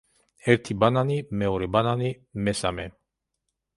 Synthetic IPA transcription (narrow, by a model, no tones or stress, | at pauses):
ɛɾt̪ʰibananimɛɔɾɛbanani | mɛsa̰mɛ